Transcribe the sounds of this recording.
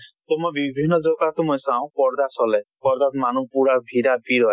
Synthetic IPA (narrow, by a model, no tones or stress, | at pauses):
t̪ɔmɔjbibʱinːɔzɔkatʊmojsaʊ̃pɔɹd̪asɔlɛpɔɹd̪atmanupuɹabʱiɾabiɾɔj